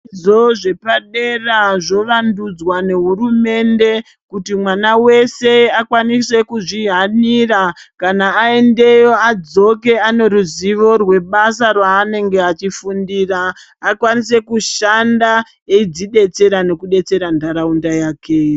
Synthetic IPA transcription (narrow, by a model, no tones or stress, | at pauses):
o̞ʐe̞paɗeraʐo̞ʋandud͡zwane̞ɦurume̞nde̞ | kutimwanawe̞se̞akwanise̞kuʐiɦanirakanaːe̞nde̞jo̞ad͡zo̞k̬e̞ano̞ɾuziʋo̞rwe̞ɓasarwaːne̞ŋɡe̞at͡ʃifundiːraː | kwanis̬e̞kuʃanda | eid͡ziɗe̞t͡se̞ɾane̞kuɗe̞t͡se̞ɾandʱaɾaundajaːkʰe